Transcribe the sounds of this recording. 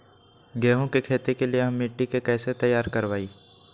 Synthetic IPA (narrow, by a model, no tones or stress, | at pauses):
ɡɛːɦõkekʰeːt̪ekelieɦɐmːɪʈːikekɛːset̪ɐjːaːɾkɐɾʋaːiː